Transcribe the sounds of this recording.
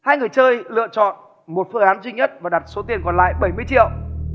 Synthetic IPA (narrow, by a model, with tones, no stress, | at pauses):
haː˧jŋɨ˨˩əjt͡ɕəː˧jlɨ̰˧˨ət͡ɕɔ̰˧˨n | mo˨˩t̚fəː˧ʔaː˨˦nzwi˧ɲə˦˥t̚vaː˨˩ɗa˨˩t̚so˨˦t̪̬i˨˩ənkɔ˨˩nla̰ː˧˨jɓə˧˩jmɨ˧əjt͡ɕḭ˧˨əw